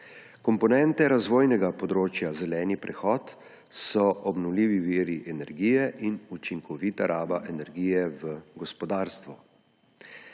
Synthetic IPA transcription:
kɔmpɔnɛnt̪ɛɾazʋoːjnɛɡapɔd̪ɾoːt͡ʃjazɛlɛːnipɾʔɛxɔːt̪ | sɔʔɔbnɔwliːʋiʋiːɾiʔɛnɛɾɡiːjɛʔinut͡ʃiŋkɔʋit̪aɾʔaːbaʔɛnɛɾɡiːjɛʋəɡɔspɔd̪aːɾst̪ʋu

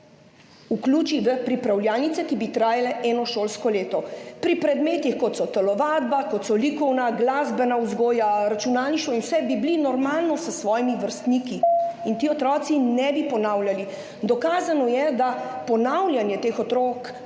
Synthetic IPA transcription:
ukluːt͡ʃiʋəpɾipɾawljaːlnit̪sɛkibit̪ɾaːjalɛʔɛːnɔʃoːlskɔleːt̪ɔpɾipɾɛd̪meːt̪ixkɔt̪sɔt̪ɛlɔʋaːd̪̚bakɔt̪sɔlikɔwnaɡlaːzbɛnauzɡoːjaɾat͡ʃunaːlniʃt̪ɔinwsɛbiblinɔɾmaːlnɔsəsʋɔːjimiʋəɾst̪niːkiint̪iːɔt̪ɾɔt̪sinɛbipɔnawljali | d̪ɔkaːzanɔjɛd̪apɔnawljanjɛt̪eːxɔt̪ɾɔk

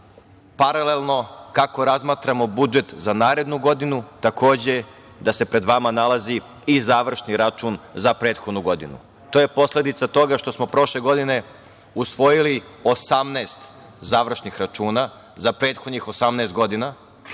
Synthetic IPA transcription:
paɾalelˠno̞kako̞ɾazmaːt̪ɾamo̞bud͡ʒe̞t̪zanaːɾe̞d̪nuɡo̞d̪inut̪akʰo̞ːd͡ʑe̞ | d̪ase̞pɾe̞d̪ʋamanalazi | izaːʋr̩ʃniɾat͡ʃuːnzapɾe̞ːt̪xod̪nuɡo̞d̪ḭnṵ | t̪oje̞po̞sle̞d̪it̪sat̪o̞ɡaʃt̪o̞smo̞pɾo̞ʃle̞ɡo̞d̪ine̞ | usʋo̞jilio̞samnaːst̪ | zaːʋr̩ʃnixɾat͡ʃuːna | zapɾe̞ːt̪xo̞d̪ɲixo̞samneːst̪̚ɡo̞d̪ina

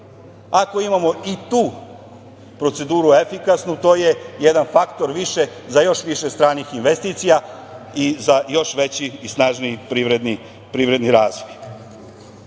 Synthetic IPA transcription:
ako̞imamo̞it̪uː | pɾo̞t̪se̞d̪uːɾuefikasnut̪o̞ːje̞jed̪anfakt̪o̞ɾʋiʃe̞ | zajo̞ʃʋiʃest̪ɾaːnixinʋest̪iːt̪sija | izajo̞ʃʋe̞t͡ɕiːsnaʒnipiʋɾed̪ni | pɾiːʋɾe̞d̪niɾaːzʋoj

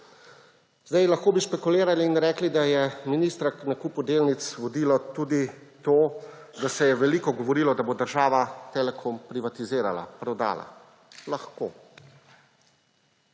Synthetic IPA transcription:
zd̪ajlaxkoːbiʃpɛkuleːɾaliːnɾɛːklid̪ajɛminiːst̪ɾaknakuːpud̪eːlnit̪sʋɔd̪iːlɔt̪uːd̪it̪oː | d̪asɛjɛʋɛliːkɔɡɔʋɔɾiːlɔd̪abod̪əɾʒaːʋat̪eːlɛkʰɔmpɾiʋat̪izeːɾa̰la̰pɾɛwd̪a̰ːla̰ | laxko̰ː

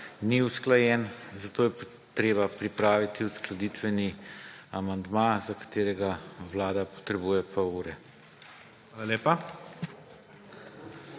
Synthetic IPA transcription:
niusklajɛnzat̪oːjɛ | t̪ɾeːbapɾipɾaːʋit̪iusklad̪iːt̪ʋɛniamand̪mazakḁt̪eːɾɛɡaʋlaːd̪apɔ̥t̪ɾɛbuːjɛpʰɔuːɾɛ | aːlaleːpa

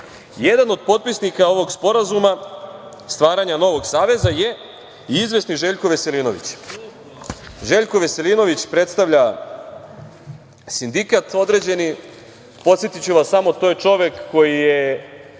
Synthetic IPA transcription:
je̞d̪ano̞d̪̚po̞t̪̚pisnikao̞ʋo̞ɡspo̞ɾazuma | st̪ʋaːɾaɲano̞ʋo̞ɡsaːʋe̞zaje̞ | iizʋe̞sniʒe̞ʎkoʋe̞se̞liːno̞ʋḭt͡ɕ | ʒe̞ːʎkoʋe̞se̞lino̞ʋit͡ɕpɾe̞t̪st̪aʋʎa | sind̪ikat̪o̞d̪ɾe̞d͡ʑe̞ni | po̞t̪sjet̪it͡ɕuʋasːamot̪o̞jet͡ʃo̞ʋjekːo̞jije

